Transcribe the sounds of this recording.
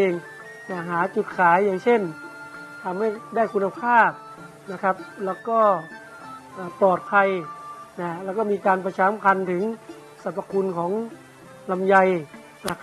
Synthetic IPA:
eː˧ŋ | na˧˩ɦaː˩˦t͡ɕu˨˩t̪̚kʰaː˨˩˦jːaː˧˩ŋsʰe˥˩n | t̪ʰa˧mha˥˩jdaː˥˩jkʰu˧nːa˧pʰaː˥˩p̚ | na˧˥kʰa˦˥p̚lɛː˧˥˩wkɔː˥˩ | ʔaː˨˧˩pɔː˨˩t̪̚pʰa˧jna˧˥lɛː˧˥˩kɔː˥˩miː˧kaː˧npʰa˧t͡ɕʰaː˧˥mkʰa˧nt̪ʰɯ˩˦ŋ | sa˨˧˦pːa˧kʰu˧nkʰɔː˩˦ŋ | la˧mja˧j | na˧˥

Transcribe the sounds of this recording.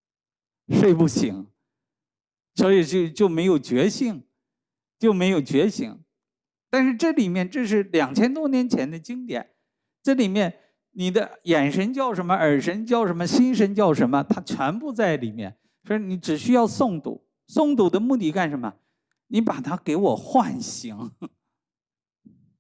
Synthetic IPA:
ʂwe˥˧ɪpu˥˩ɕi˧˥ŋ | sɔ˧˥i˨˩t͡ɕjo˥˧ʊt͡ɕjo˥˩ʊme˧˥ɪjo˨˩ʊt͡ɕɥɛ˧˥ɕi˥˩ŋ | t͡ɕjo˥˩ʊme˧˥ɪjo˨˩ʊt͡ɕɥɛ˧˥ɕḭ˧˥ŋ | t̪a˥˧nʂɻ̩˥˧ʈ͡ʂɤ˥˩li˨˩mjɛ˥˧nʈ͡ʂɤ˥˧ʂ̬ɻ̩˥˩ljɑ˨˩ŋt͡ɕʰjɛ˥nt̪wɔ˥njɛ˧˥nt͡ɕʰjɛ˧˥nd̪ə˧t͡ɕi˥ŋt̪jɛ̰˨˩˦n | ʈ͡ʂɤ˥˩li˨˩mjɛ˥˩n | ni˨˩d̪ə˦jɛ˨˩nʂə˧˥nt͡ɕjɑ˥˩ʊʂə˧˥nmə˧ʔə˞˨˩ʂə˧˥nt͡ɕjɑ˥˩ʊʂə˧˥nmə˧ɕi˥nʂə˧˥nt͡ɕjɑ˥˩ʊʂə˧˥nmə˧t̪ʰa˥t͡ɕʰɥɛ˧˥npu˥˧t͡sa˥˩ɪli˨˩mjɛ̰˥˩n | swɔ˧˥i˧ni˧˥ʈ͡ʂɻ̩˨˩ɕy˥jɑ˥˧ʊsʊ˥˩ŋt̪ṵ˨˩˦ | sʊ˥˩ŋt̪u˨˩d̪ə˦mu˥˧t̪̬i˥˧ka˥˩nʂə˧˥nmə̰˧ | ni˧˥pa˨˩t̪ʰa˥ke˧˥ɪwɔ˨˩xwa˥˩nɕi˧˥ŋ

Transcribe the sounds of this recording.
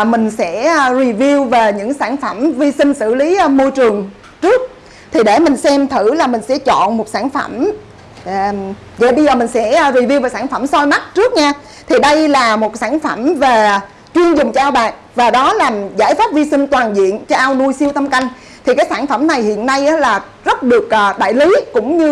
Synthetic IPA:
mï˨˩ŋ̟sɛ̰˧˥zi˨˩vi˧əwve˨˩ɲɨ̰˧˥ŋsaː˧˩nfə˧˩mvi˧sï˧ŋ̟sɨ̰˧˩˨li˨˦˧mo˧jt͡ɕɨ˨˩əŋ | t͡ɕɨ˦˥ək̚ | t̪ʰi˨˩ɗe˧˩mï˨˩ŋ̟sɛ˧mt̪ʰɨ˧˩laː˨˩mï˨˩ŋ̟sɛ̰˧˥t͡ɕɔ̰˧˨nmo˨˩t̚saː˧˩nfə̰˧˩m | zə̰˧˩ɓə˧jzəː˨˩mï˨˩ŋ̟sɛ̰˧˥ɹi˨˩vi˧wve˨˩saː˧˩nfə˧˩msɔ˧jma˦˥t̚t͡ɕɨ˦˥ək̚ɲaː˧ | t̪ʰi˨˩ɗə˧jlaː˨˩mo˨˩t̚saː˧˩nfə˧˩mve˨˩ | t͡ɕwi˧ənzʊ˨˩ŋ͡mt͡ɕɔ˧ʔaː˧wɓaː˨˩k̚ | vaː˨˩ɗɔ˨˦laː˨˩mzaː˧˥˩jfaː˦˥p̚vi˧sï˧ŋ̟t̪waː˨˩nzḭ˧˨ənt͡ɕɔ˧ʔaː˧wnu˧əjsi˧əwt̪ə˧mka˧jŋ̟ | t̪ʰi˨˩kaː˨˦jsaː˧˩nfə˧˩mna˨˩jhḭ˧˨ənːa˧jʔaː˨˦laː˨˩ | zə˦˥t̚ɗɨ˨˩ək̚ʔːɗa̰ː˧˨jli˨˦kʊ̰˧˥ŋ͡mɲɨ˧

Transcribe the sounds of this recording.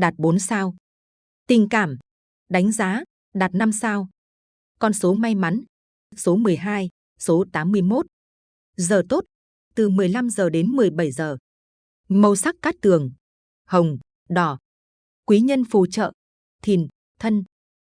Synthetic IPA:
ɗaː˨˩t̚ɓo˨˦nsaː˧w | t̪ï˨˩ŋ̟kaː˧˩m | ɗa˨˦jŋ̟zaː˨˦ | ɗaː˨˩t̚na˧msaː˧w | kɔ˧nso˨˦ma˧jma˨˦n | so˨˦mɨ˨˩əjɦaː˧j | so˨˦t̪aː˨˦mːɨ˧əjmo˦˥t̚ | zəː˨˩t̪o˦˥t̚ | t̪ɨ˨˩mɨ˨˩əjla˧mzəː˨˩ɗe˨˦nmɨ˨˩əjɓə˧˩jzəː˨˩ | mə˧wsa˦˥k̚kaː˦˥k̚t̪ɨ˨˩əŋ | hə˨˩wŋ͡m | ɗɔ˨˩ | kwi˨˦ɲə˧nfu˨˩t͡ɕə̰ː˧˨ | t̪ʰi˨˩n | t̪ʰə˧n

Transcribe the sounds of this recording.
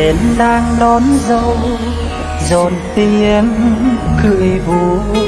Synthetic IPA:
e˨˦nlaː˧ŋlɔ˨˦nzə˧w | zo˨˩nt̪i˧ənkɨ̰˧˨əjvu˨˦

